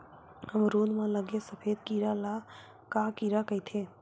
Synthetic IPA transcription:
həmɾoːnmãləɡesəpʰeːd̪kiɾala | kakiɾakəit̪ʰeː

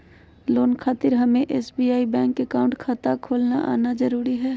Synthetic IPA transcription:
loːnkʰaːt̪ɪɾɦɐmẽʔeːsbiaːibɛ̃ːŋkːekaːʊ̃ɳʈkʰaːt̪akʰoːlnaʔa̰ːnad͡ʒɐɾuːɾiɦɛː

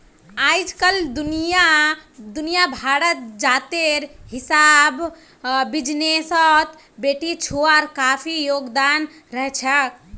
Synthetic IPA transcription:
ajd͡ʒkəld̪unijad̪unijabʱaɽət̪̚d͡ʒat̪eɾɦisabː | id͡ʒnesɔt̪ | beʈit͡ʃʰoaɾkapʰijoɡd̪an | ɾəɦɛt͡ʃʰək

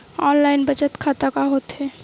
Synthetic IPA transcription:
ɔːnlaːɪnbət͡ʃət̪kʰaːt̪akaɦoːt̪ɦɛː

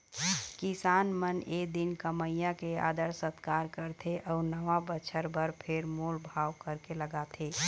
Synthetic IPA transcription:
kɪsaːnməned̪ɪnkəməjjãkea̰ːd̪əɾsət̪kaːɾkəɾt̪ʰeʔɔːɾnəʋabət͡ʃʰəɾbəɾpʰeɾmoːlbʱaːʋkəɾkeləɡat̪ʰeː

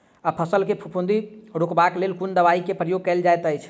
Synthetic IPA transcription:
apʰəsəlkepʰupʰũnd̪iɾokbaklelkund̪əβaikepɾəjoɡ̚kəld͡ʒajt̪əjt͡ʃʰ

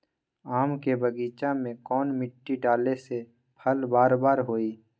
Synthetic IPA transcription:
aːmkebəɡiːt͡ʃamẽkɔːnmɪʈːiɖaːlese | pʰəlbaːɾbaːɾɦoːiː

